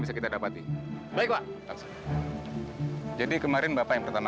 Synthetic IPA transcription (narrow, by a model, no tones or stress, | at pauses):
bis̬akit̪adapat̪i | baɪk̚baʔtaks | d͡ʒadikəmaɾɪnbapajaŋpərt̪ama